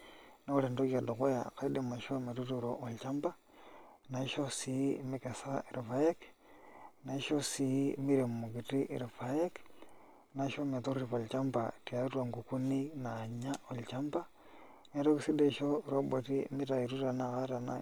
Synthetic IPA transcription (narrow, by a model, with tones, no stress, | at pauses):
no˦u˦le˨ndo˦kia˨do˨xo˦jaka˨ide˦ma˨ʃome˨ɾutiɾoʔo˨lt͡ʃamba˦ | na˨i˦ʃo˦simike˨saiɾi˨fa˦je˦k | na˨iʃosimi˦ɾe˨mmu˨ki˨ti˦ʔḭɾa˨faje˦k | naʃome˨toɾɾi˨pa˨lt͡ʃa˦mbatiaɾua˨ŋɡu˨ku˦ni˦naɲa˦o˨lt͡ʃamba˦ | meɾokisi˦deʃo˦ɾo˦bwo˨ti˦mi˦ta˨iɾu˦ɾa˨nakaɾa˨na̰